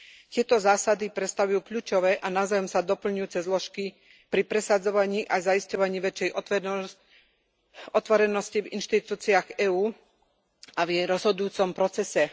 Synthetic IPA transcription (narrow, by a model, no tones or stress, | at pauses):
c̪ɪɛt̪ɔzaːsad̪ipɾɛt̪st̪aʋujuːkʎuːt͡ʃɔʋɛʔanaʊzajɔmsad̪ɔpl̩ɲujuːt͡sɛzlɔʃki | pɾipɾɛsad͡zɔʋaɲiːʔazaiscɔʋaɲiːʋɛt͡ʃɛjɔ | ɔt̪ʋɔɾɛnɔscivḭnʃt̪it̪uːt͡siaɣɛːuː | avjɛjɾɔzɦɔd̪ujuːt͡sɔmpɾɔt͡sɛsɛ